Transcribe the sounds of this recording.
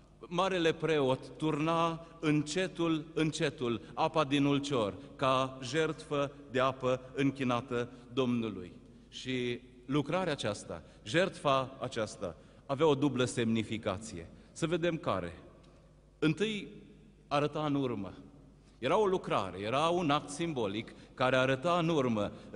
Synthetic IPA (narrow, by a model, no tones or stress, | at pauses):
maɾe̞le̞pɾe̞o̞t̪ːurnaɨnt͡ʃe̞t̪ulɨnt͡ʃe̞t̪ulapad̪inult͡ʃo̞rkaʒe̞rt̪fəd̪e̞apəɨŋkʲinat̪əd̪o̞mnulṵj | ʃi | lukɾaɾeat͡ʃast̪a̰ | ʒe̞rt̪faːt͡ʃast̪a̰ː | veao̞d̪ubləse̞mnifika̰t̪sije̞̰ | səve̞d̪e̞mka̰ɾe̞̰ | ɨnt̪ɨj | aɾət̪aɨnurmə̰ | je̞ɾao̞lukɾa̰ɾe̞̰je̞ɾaunak̚t̪simbo̞likːaɾe̞aɾət̪aɨnurmə